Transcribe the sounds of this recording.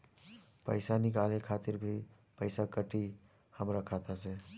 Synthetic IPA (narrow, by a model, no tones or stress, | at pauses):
pə̰ɪsanɪkaːlekʰaːt̪ɪɾbʱi | pəɪsakəʈi | həmɾəkʰaːt̪ase